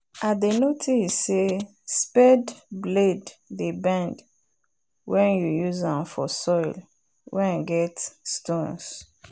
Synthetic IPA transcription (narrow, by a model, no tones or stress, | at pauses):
ʔadənotʰisse | spɛdbledðəbãnd | wɛ̃njujuzãmfɔ̰sɔɪl | wɛ̃naɡɛtstõns